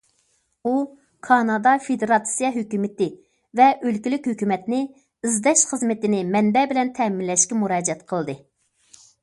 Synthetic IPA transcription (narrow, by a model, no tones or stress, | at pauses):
u | kʰɑnɑd̪ɑfed̪eɾɑt̪sijɑɦøkʲymɪt̪ɪ | vɛʔølkʲilykʲhøkʲymɛt̪nɪ | ɨzd̪ɛʃχəzmɪt̪ɪnɪmɛnbɛbɪlɛnt̪ʰɛmɪnlɛʃkʲɛmuɾɑːd͡ʒɛt̪qʰəlˠd̪ɨ